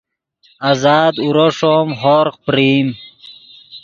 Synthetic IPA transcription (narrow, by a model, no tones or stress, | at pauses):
azaːd̪uɾoʂoːmɦoɾq̚pɾiːm